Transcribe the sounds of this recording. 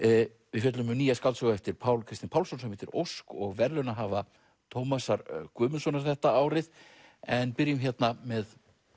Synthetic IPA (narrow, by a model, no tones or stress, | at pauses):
vɪðfʏt̪lʏmʏniːjaskalsɔɣaɛft̪ɪɾpʰaːwlkʰɾɪst̪ɪnpʰawlsɔnsɛmɪht̪ɪɾo̰wskɔɣvɛɾlʏnaɦaːva | t̪ʰowmasaɾkʏːmʏsɔnaɾ̥θɛht̪aaːwɾɪðɛnpɪɾjʏmçjɛt̪namɛð